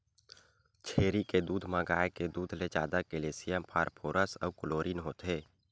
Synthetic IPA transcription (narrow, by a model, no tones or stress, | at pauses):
t͡ʃʰeːɾiked̪uːd̪ʱmãɡaːeked̪uːd̪ʱled͡ʒa̰ːd̪akeleːsɪjãmpʰaːɾpʰoːɾəsə̰ʊkʊloːɾinɦoːt̪ɦeː